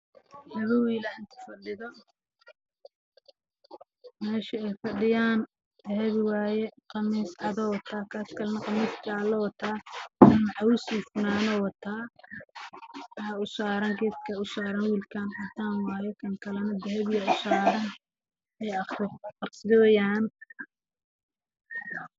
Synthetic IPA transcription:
nɐβɔwiːlɐɪnt̪ʰʊ̥fɐɖɪðɔ | mɛːʃɪɛjfɑɖɪjaːn | d̪̥ɛɦɛβɪwaːjɛqɑmiːsʕɑd̪ɔwɑt̪ʰaːkʰaːskʰɐlɐnɐqɑmiːskʰalɐwɑt̪ʰaːnʕɑwʊsiːfʊnaːnɔːwɑt̪ʰaː | aʊsaːɾɐŋɡɛːskʰɐʊsaːɾɐnwiːlkʰaːnʕɐt̪ʰaːnwɑːjɛkʰɐŋkʰɐlɐnɐd̪ɛɦɛβɪjɐʊsaːɾɐn | ɛjɐχɾɪqɑrsɪdɔːjaːn

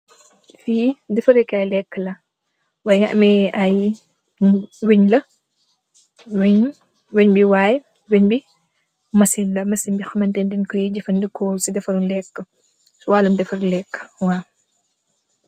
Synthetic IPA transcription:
fiːdɛfɐɾekːɐjlɛkːəlɐ | wɐjŋɐ̰ʔmɛɐj | wiɲlɐ | wiɲ | weɲbiwaːj | weɲbi | mɐsinlɐmɐsimbixɐmɐntɛndinkɔjiɟɐfɐndəkʰːɔsidɛfɐɾunlɛkːə | suwaːlɐmdɛfɐɾlɛkːwaː

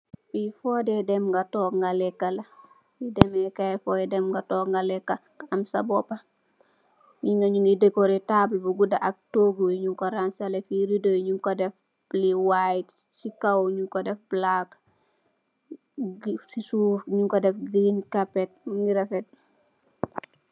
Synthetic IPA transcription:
fifodɛdɛmŋɡɐtɔːkŋɡalɛkːɐlɐ | idɛmɛkajfɔdɛdɛmŋɡatɔːkŋɡalɛkːakaɐmsa̰bɔpa | ɲiŋɡaɲuŋidekoɾitablbuɡudaʔak̚toɡuiɲuŋkoɾansɐlefiɾidojɲuŋkodɛf | liwajit | t͡ʃikawɲuŋkodɛfblak | sisuːfɲuŋkodɛfɡinkapet̚ŋɡiɾɐfɛt̚

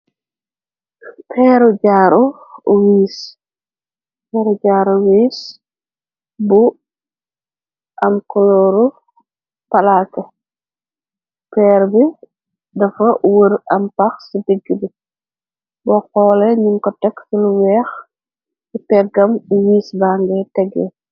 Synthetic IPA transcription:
pʰɛːɾuɟaːɾɔuwiːs | pɛːɾuɟaːɾuwiːs | bu | ʔɐmkɔlɔɾu | pɐlakɐ | pɛːɾbi | dɐfɐwəɾɐmpɐxsidiɡːibi | bɔqɔːlɛɲuŋkɔtɛksiluwɛːx | sipɛɡɐmwiːsbaŋɡɛtɛɡɛ̰

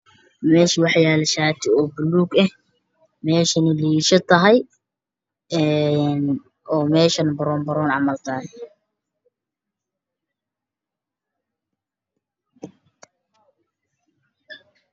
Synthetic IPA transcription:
mɛːʃwɑħjaːlɛʃaːt̪ʰɪɔːbʊluːɡɐh | mɛːʃɐnɪliːʃɐt̪ʰɐɦɛj | ɛn | ʔɔːmɛːʃɐnbɐɾɔmbɐɾɔːnʕɑmɐlt̪ʰaːn

